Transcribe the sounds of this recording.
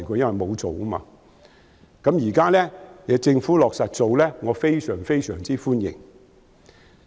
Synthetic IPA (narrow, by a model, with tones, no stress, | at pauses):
jkɔː˧jɐ˥nwɐ˨˩jmo˨˧wt͡so˨wʔɐ˥ma̰ː˧ | kɐ˨˥mjiː˨˩kaː˥lɛː˥jɐː˨˧t͡sɪ˧ŋfuː˨˥lɔː˨k̚sa˨t̚t͡so˨wlɛː˥ŋɔː˨˧fe˥jsœː˨˩ŋfe˥jsœ̰ː˨˩ŋt͡siː˥fuː˥njɪ̰˨˩ŋ